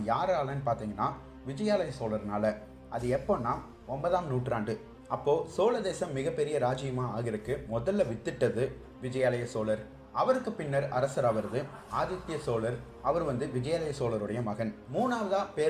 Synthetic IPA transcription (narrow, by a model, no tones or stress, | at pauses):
jaːɾaːlɐːnɯpaːɾt̪iːŋɡɐnːaː | ʋɪd͡ʒɐjaːlɐjɐsoːlɐɾnaːlɐ | ʔɐðɯɛpːoːnːaː | ɔmbɐðaːmnuːʈraːɳɖɯ | ɐpːoːsoːlɐðeːsɐmːɪɣɐpːɛɾɪjɐɾaːd͡ʒɪjɐmaːaːɣɪɾɐkːɯmɔðɐlːɐʋɪt̪ːɯʈːɐðɯ | ʋɪd͡ʒɐjaːlɐjɐsoːlɐɾ | ɐʋɐɾɯkːɯpɪnːɐɾɐɾɐsɐɾaːʋɐɾɐðɯ | aːðɪt̪ːɪjɐsoːlɐɾ | ɐʋɐɾʋɐnd̪ɯʋɪd͡ʒɐjaːlɐjɐsoːlɐɾɯɽɐjɐmɐɣɐnmuːnaːʋɐðaːpeː